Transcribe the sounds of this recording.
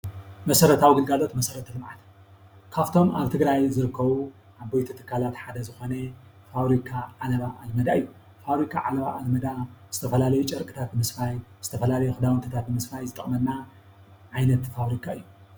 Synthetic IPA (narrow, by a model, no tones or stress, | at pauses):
mɐsɐɾɐt̪ʰawɡɨlɡalo̞t̪mɐsɐɾɐt̪ʰɐlɨmʕat̪ | kʰaft̪ʰo̞maβt̪ʰɨɡɾajzɨɾɨkʰːɐβu | ʔaβbojt̪ʰut̪ʰɨ̥kʰːalat̪ħad̪ɐzɨxo̞nɐ | fawɾikʰaʕalɐβaʔalmɐd̪aɨjːu | faβɾikʰa̰ʕalɐβaʔalmɐd̪az̥ɨt̪ʰɐfɐlalɐjut͡ʃʼɐɾkʼɨt̪ʰat̪ɨmɨsfajz̥ɨt̪ʰɐfɐlalɐjuxɨd̪awɨnt̪ʰɨt̪ʰat̪̚bɨmɨsfajzɨt̪ʼɨχʼmɐnːa | ʕajnɐt̪faβɾikʰaɨjːu